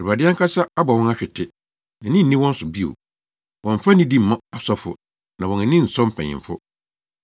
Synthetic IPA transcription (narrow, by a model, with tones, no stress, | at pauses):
ɛ˨ɾu˨ba˨dɪ˦a˦ŋ˦kʰa˦sa˦a˦ba˨wɔ̃˦na˦ɕᶣɪ˨tʰɪ˦ | nã˨nɪ̃˦n̩˨ĩ˦wɔ̃˦n̩˦sʊ˨bi˦o̰˨ | wʔɔ̃˨ɱ˨fa˦nĩ˦di˦m̩˨mã˦a˨sɔ˦fʊ̰˨ | nã˨wɔ̃˨n˨nĩ˦n̩˨sɔ̃˦m̩˦pʰɛ̰̃˨ɲɪ̰̃˨fʊ˦